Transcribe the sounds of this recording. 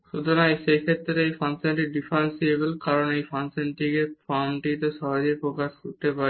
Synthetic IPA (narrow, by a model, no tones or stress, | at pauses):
ʃud̪ʱonajʃejkʰet̪ːɾeejfanseɳʈiɖifansiebelkaɾonejfansenʈikefɔɾmʈit̪eʃɔɦad͡ʑejpɾokaʃkoɾt̪epaɾe